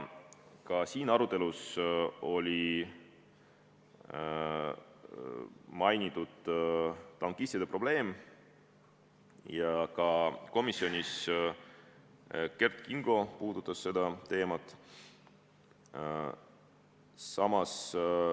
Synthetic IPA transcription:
kɑsiːnɑɾut̪ːˑe̞luso̞lʲi | mɑjnit̪ːˑud̪̥ | t̪ɑŋkisʲt̪id̪̥epro̞b̥le̞ːm | jɑkɑko̞misːio̞nʲis | ke̞rt̪kiŋɡ̥o̞puːd̪̥ut̪ːˑɑsse̞d̪ɑt̪e̞ːmɑt̪ːˑ | sɑmɑs

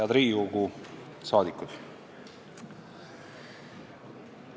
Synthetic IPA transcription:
ɑd̪ɾiːuɡu | sɑːd̪ikːud̪̥

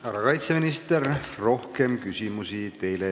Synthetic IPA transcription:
ɑɾɑkɑjt̪seminist̪erro̞hke̞mkysimusit̪e̞jle

